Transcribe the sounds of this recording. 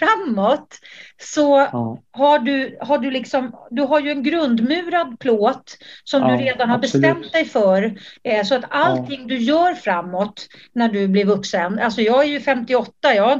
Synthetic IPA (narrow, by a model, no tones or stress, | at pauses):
fɾamːɔt̪sɔhaɖɵhaɖɵlɪksɔmd̪ɵɦaɾjɵɛnɡɾɵnd̪mʉ̟ːɾad̪pʰloːt̪sɔmd̪ɵɾeːd̪anhaɾbɛst̪ɛmt̪̚d̪ɛjfœɾsɔat̪altt̪ʰɪŋːd̪ɵjœːɾfɾamːɔt̪ | næɖɵblɪɾvɵksənalsɔjɑːɡæɾjɵfɛmt̪ɪɔt̪ːajɑː